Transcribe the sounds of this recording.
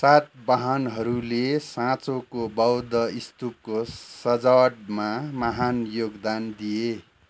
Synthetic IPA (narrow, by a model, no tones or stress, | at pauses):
sat̪̚baɦʌnɦʌɾulesãt͡sokobʌwd̪ʌist̪up̚kosʌd͡zawʈmamʌɦanjoɡd̪and̪ije